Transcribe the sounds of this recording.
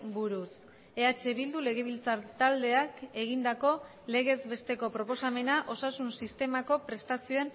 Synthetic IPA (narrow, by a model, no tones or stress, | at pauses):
buɾus | eat͡ʃe̞βild̪ule̞ɣ̞e̞β̞ilt͡saɾt̪ald̪e̞ake̞ɣ̞ind̪ako̞ | le̞ɣ̞e̞zbe̞st̪e̞ko̞pɾo̞po̞same̞naʔo̞sasunsist̪e̞mako̞pɾe̞st̪asio̞e̞n